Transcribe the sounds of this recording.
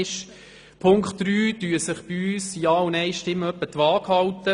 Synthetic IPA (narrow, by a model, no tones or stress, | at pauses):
ʃ | pʰʊŋkχtːɾyːdyːəsəχb̥ɪyːsiɑːʊnɛɪʃtɪmːəœpːət̪ʋɑːkhɑlt̪ə